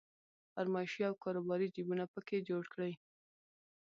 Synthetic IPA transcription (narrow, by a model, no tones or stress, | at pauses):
aɾmɑɪʃjɑːwkɑɾubɑɾid͡ʒibunapəked͡ʒoɽkɽəj